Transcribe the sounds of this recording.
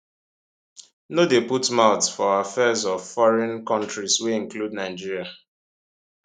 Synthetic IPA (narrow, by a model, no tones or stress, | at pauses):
nodeputmaʊtfɔafɛzɔvfɔɹɛ̃nkɔ̃ntɹisweɪ̃ŋkludnaɪd͡ʒiɹia